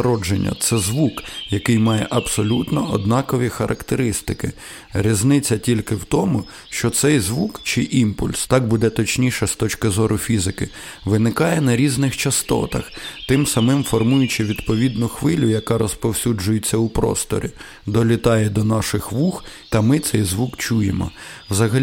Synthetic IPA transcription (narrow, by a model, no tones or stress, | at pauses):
ɾɔd͡ʒenʲːɐ̰t̪sɛzʋukjɐkɪjmɑjɛ̰ʔɐbsɔlʲut̪nɔʔɔd̪nɑkɔʋʲixɐɾʔɐkt̪eɾɪst̪ɪkɪ | ɾʲiznɪt͡sʲːɐtʲilʲkɪwt̪ɔmʊ | ʃt͡ʃɔt̪sɛjzʋukt͡ʃɪʔimpʊlʲst̪ɑk̚bud̪ɛt̪ɔt͡ʃnʲijʃɛst̪ɔt͡ʃkɪzɔɾʊfʲizɪkɪ | ʋɪnɪkɑjɛnɐɾʲiznɪxt͡ʃɐst̪ɔ̰t̪ɐ̰xt̪ɪmsɐmɪmfɔrmujʊt͡ʃɪʋʲid̪pɔʋʲid̪nʊxʋɪlʲʊjɐkɑɾɔspɔwsʲud͡ʒʊjɪt͡sʲːɐupɾɔ̰st̪ɔ̰ɾʲi | d̪ɔlʲit̪ɑjɛd̪ɔnɑʃɪxʋuxt̪ɐmɪt̪sɛjzʋukt͡ʃujḛmɔ̰wzɐɦɐlʲ